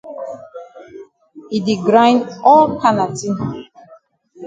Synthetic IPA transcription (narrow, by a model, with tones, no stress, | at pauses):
i˨di˨ɡɾã˦j̃ndɔ˦lkʰa˦na˨ti˦n